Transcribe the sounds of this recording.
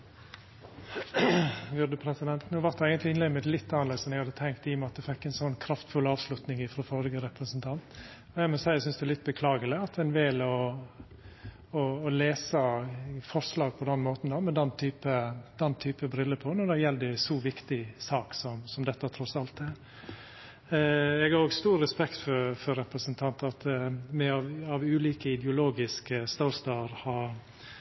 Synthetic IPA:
jʉd̪əpʰɾɛsɪd̪ɛnt̪nuːʋɑt̪̚d̪ɛæɪɡənt̪lɪɪnleːɡ̪mɪt̪lɪt̪ːɑnɑɾleːsɔmɛɪɡhɑd̪ət̪ʰɛŋk̚t̪ɪjʊmɛɑt̪̚d̪ɛfɛkːɛnsɔnːkʰɾɑft̪fʉlɑːʋslʉt̪nɪŋɪfɾɔfɔɾɪɡəɾɛpɾəsənt̪ʰɑnt̪ | ɔjæɪmɔsæɪəsʏnsd̪ɛælɪt̪ːbəkʰlɑːɡələɑt̪ɛnʋelɔ | ɔːleːsəfɔɾslɑːɡ̚pʰɔd̪ɛnmoːt̪n̩d̪ɔmɛd̪ɛnt̪ʰyːpəd̪̥ɛnːt̪ʰyːpəbɾʏlːəpʰɔnɔd̪ɛjɛld̪ɛsɔʋɪkt̪ɪsɑːksɔmsɔmd̪ɛt̪ːət̪ʰɾɔsɑlt̪ɛɾ | ɛɡɑɾoːɡst̪uːɾːɛspɛkt̪fɔɾfɔɾɛpɾəsənt̪ʰɑnt̪ɑt̪mɛɑʋɑʋʉːliːkəɪd̪ɛʊloːɡɪskəst̪ɑʊst̪ɑɾhɑɾ

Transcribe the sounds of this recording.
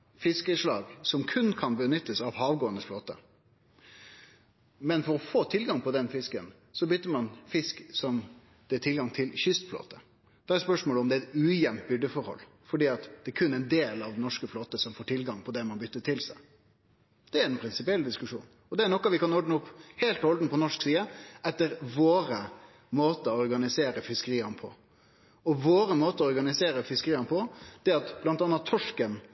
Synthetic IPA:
fɪskəʂlɑːɡsɔmkʰʉnkʰɑnbənʏt̪ːəsɑʋɦɑːʋɡoːənəsfloːt̪ə | mɛnfɔɾɔfoːt̪ʰɪlɡɑŋpʰɔd̪ɛnfɪskən | sɔbʏt̪ːəɾmɑnfɪsksɔm | d̪̥ɛːʈ̪ʰɪlɡɑŋt̪ʰɪlçʏst̪flo̰ːt̪ə | d̪̥ɛɛɾspœʂmoːləɔmd̪ɛæɛt̪ʉːjɛnt̪bʏɖ̪əfɔɾhɔ̰lː | fɔɖiːɑt̪d̪̥ɛæɾkʰʉnːæɪnd̪eːlɑʋnɔʂkəfloːt̪əsɔmfoːʈʰɪlɡɑŋpʰɔd̪ɛmɑnbʏt̪ːət̪ʰɪlsæɪ | d̪̥ɛæɾɛnpʰɾɪnsɪpɪɛld̪ɪskʉʂṵːn | ɔd̪ɛæɳɔkːɑʋɪkɑnɔɖnəʊpːheːlt̪ɔld̪n̩pʰɔnɔʂksiːəʔɛt̪ːəɾʋoːɾə | moːt̪əɔɔɾɡɑnɪseːɾəfɪskəɾiːɑnəpʰɔ̰ | ɔʋoːɾəmoːt̪əɔɔɾɡɑnɪseːɾəfɪskəɾiːɑnəpʰɔd̪̥ɛɑt̪b̥lɑnt̪ɑnːɑt̪ʰːɔʂkəm

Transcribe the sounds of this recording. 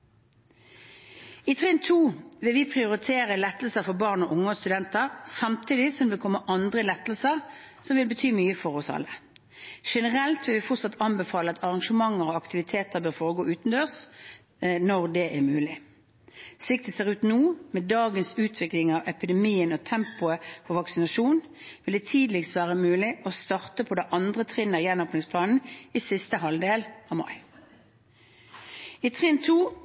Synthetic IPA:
ɪt̪ʰʁɛnt̪ʰuːʋɪlʋɪpʰʁɪʊʁɪt̪ʰeːʁəlɛt̪ːl̩səfɔbɑːʁnɔʔʊŋːəɔst̪ʉd̪ɛnt̪əʁsɑmt̪ʰiːd̪ɪsɔmʋɪkʰɔmːəʔɑnd̪ʁəlɛt̪ːlsəʁ | sɔmʋɪlbət̪ʰyːmyːəfɔʁɔsɑ̰lːə | ʂɛnəʁɛlt̪ʋɪlʋɪfʊt̪sɑt̪ʰːɑnbɛfɑːləɑt̪ʰɑʁɑŋʂəmɑŋːəʁɔɑkt̪ɪʋɪt̪ʰeːt̪əʁbøːʁfoːʁəɡoːʔʉːt̪nd̪øːʁs | nɔʁd̪ɛʔæʁmʉːlɪ | slɪkt̪ɛseːʁʉːt̪nuːmɛd̪ɑːɡənsʉːt̪ʰʋɪklɪŋɑʋɛpɪd̪ɛmiːənɔt̪ʰɛmpʊəfɔʋɑksɪnɑʂuːn | ʋɪld̪ɛːt̪ʰiːd̪l̩ɪkst̪ʋæːʁəmʉːlɪʔɔst̪ɑʁt̪əpʰɔd̪ɛʔɑnd̪ʁət̪ʰʁɪnəʁjɛnɔːpnɪŋspʰlɑːnn̩isɪst̪əɦɑld̪eːlɑːʋmɑ̰ɪ | it̪ʰʁɪnt̪ʰuː

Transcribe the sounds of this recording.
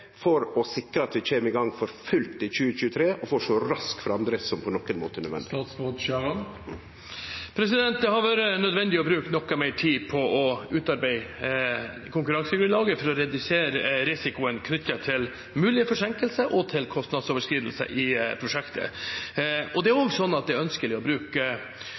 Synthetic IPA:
fɔɾɔsɪkːɾəɑt̪ʋɪt͡ʃeːmɪɡɑŋfɔɾfʉlt̪ɪçʉːəc͡çʉːət̪ʰɾeːʔɔfoːʂɔɾɑskfɔɾɑnd̪ɾəsɔmpʰɔnɔkːənmo̰ːt̪ənəʋɛ̰nɑːt̪soːd̪ʃɑʁən | pʰɾɛs̬ɪd̪ɛnt̪̚d̪ɛhɑɾʋæːɾənœd̪ʋɛnd̪ɪɔbɾʉːkt̪nɔkːɑmeːʈʰiːpʰɔɔʉːt̪ɑɾbæɪ | kʰʊŋkʉɾɑŋsəɡɾʉnlɑːɡəfɔɾɔɾɛd̪ʉseːɾɾɪsɪkʊənkʰnʏt̪ːəʈʰɪl | mʉːlɪəfɔʂɛŋkəlsəʔɔt̪ʰɪlkʰɔst̪nɑd̪soːʋəʂkɾiːd̪əlsə̰ʔɪpʰɾʊʂɛkt̪ʰə̰ | ɔd̪ɛæɾoɡsɔnːɑt̪̚d̪ɛɾœnskəlɪɔbɾʉːkə

